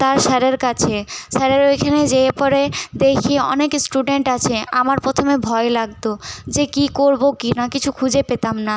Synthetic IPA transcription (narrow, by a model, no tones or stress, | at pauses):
t̪aɾʃɛɾeɾkat͡ɕʰeʃɛɾeɾojkʰaned͡ʑepɔɾed̪ekʰieɔ̰neksʈuɖeɳʈat͡ɕʰeamaɾpɔt̪ʰomebʱɔelaɡt̪od͡ʑekikoɾbokinakit͡ɕʰukʰud͡ʑepet̪amna